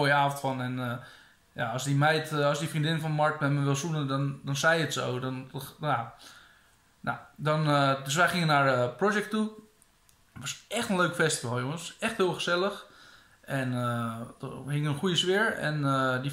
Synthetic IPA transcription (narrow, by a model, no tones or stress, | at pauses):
oəjəaːəntfɔnɛn | ja̰ɔsdimɛjtɔsdifrindɪnfɔnmɔɹtmɛməʋɪlˠsunədɔndɔnsɛjətsowdɔnja | na̰dɔndøs̬ʋɛjχɪŋənarəprod͡ʒɛk̚tu | tʋɔsɛxtənløːkfɛstivalˠjoŋənsɛxthɪːlˠxəsɛlˠəx | ɛnəd̥əɦɪŋəənχujəsʋɪəɹɛ̰nədi